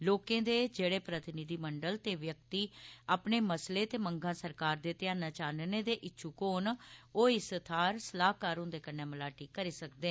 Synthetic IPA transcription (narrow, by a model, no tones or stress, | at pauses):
loːkẽːd̪eːd͡ʒeːɽeːpɾət̪ɪnɪd̪iːməɳɖəlt̪eːʋjək̚t̪iːaːpneːməsleːt̪eːməŋɡãːsəɾkaːɾd̪eːt̪ɪjãːnaːt͡ʃaːnneːd̪eːʔɪtːʃʰuːkoːnoːɪst̪ʰaːɾsəlaːkaːɾʊ̃ːnd̪eːkənːẽːməlaːʈiːkːəɾiːsək̚d̪eː